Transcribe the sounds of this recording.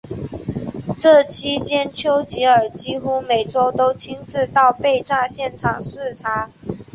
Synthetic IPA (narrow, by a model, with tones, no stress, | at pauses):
ʈ͡ʂɤ˥˩t͡ɕʰi˥t͡ɕjɛ˥nt͡ɕʰjo˥ʊt͡ɕi˧˥ə˞˨˩t͡ɕi˥xu˥me˨˩ɪʈ͡ʂo˥ʊt̪o˥ʊt͡ɕʰi˥ŋt͡sɹ̩˥˧t̪ɑ˥˧ʊpe˥˧ɪʈ͡ʂa˥˧ɕjɛ˥˩nʈ͡ʂʰɑ̰˨˩ŋʂɻ̩˥˩ʈ͡ʂʰa˧˥